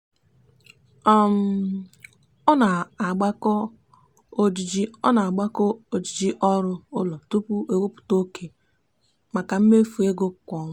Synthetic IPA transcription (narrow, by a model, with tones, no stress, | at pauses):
ɔ˦m̩˨˦ | ɔ˦na˨a˨ɡ͡ba˦kɔ˦ | o˦d͡ʒi˨d͡ʒi˦ɔ̰˦na˨a˨ɡ͡ba˦kɔ˦o˨d͡ʒi˨d͡ʒi˦ʔɔ˦ɾʊ˦ʊ˦lɔ˨tu˦pu˦e˨wo˦pʊ̥˨to˦ke˨ | ma˨ka˨m̩˦me˦fu˨e˦ɡo˦˨kʷɔ˨˦